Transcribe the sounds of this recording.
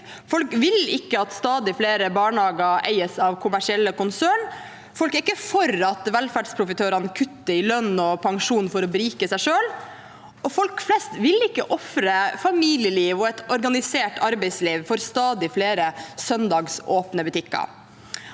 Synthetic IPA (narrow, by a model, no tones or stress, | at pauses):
fɔlkʋɪlɪkːəɑt̪st̪ɑːd̪ɪfleːɾəbɑːɳhɑːɡəæ̰ɪəsɑʋkʰʊmæʂɪɛlːəkʊnsœɳ | fɔlkæɾɪkːəfɔɾɑt̪ʋɛlfæɖspʰɾʊfɪt̪ʰøːɾɑnəkʰʉt̪ːəɪlœnːɔpʰɑŋʂuːnfɔɾɔbɾiːkəsæɪʂøːl | ʔɔfɔlkflɛst̪ʋɪlɪkːə̰ʔɔfɾəfɑmiːlɪəliːʋɔɛt̪ɔɾɡɑnɪseːʈɑɾbɛɪsliːʋfɔɾst̪ɑːd̪ɪfleːɾəsœnd̪ɑːɡsoːpnəbʉt̪ʰɪkːɑ̰